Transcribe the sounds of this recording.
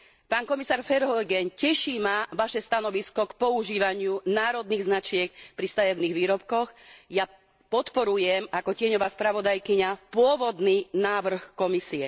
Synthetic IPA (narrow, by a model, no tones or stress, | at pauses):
paːnkɔmisaːɾfɛɾɦɔjɡɛncɛʃimaʋaʃɛst̪anɔʋiskɔkpɔuʒiːʋaɲɪunaːɾɔd̪niːɣznat͡ʃɪɛk̚pɾist̪ajɛʊniːɣʋiːɾɔpkɔxja | pɔt̪pɔɾujɛmakɔcɪɛɲɔʋaːspɾaʋɔd̪ajkiɲapʊɔʋɔd̪niːnaːʋr̩xkɔmisiɛ